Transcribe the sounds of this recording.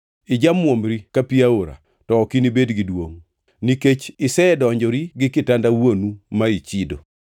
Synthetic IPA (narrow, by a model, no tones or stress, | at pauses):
ɪd͡ʒamwomɾikapiaoɾa̰ | tɔːkinibedɡidwoŋ | niket͡ʃɪsɛɛdɔɲd͡ʒɔɾiɡɪkɪtandawonumait͡ʃido̰